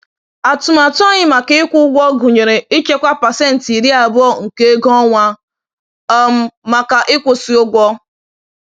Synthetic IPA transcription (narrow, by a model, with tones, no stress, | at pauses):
a˨tʊ˨ma˨ta˦ɲɪ˦ma˨kɪ˦ɪ˦kʷʊ˦ɡʷɔ˦ɡʊ˨ɲe˨ɾe˨i˦t͡ʃe˦kʷa˦pa˨se˦n̩˨ti˨ɾi˦a˨bʊ˦ɔ˦ŋ̩˨ke˦ɡɔ˦ŋʷa˦ | ɔ˦m̩˦ma˨ka˨ʔɪ˦kʷʊ˨si˨o˦ɡʷɔ˦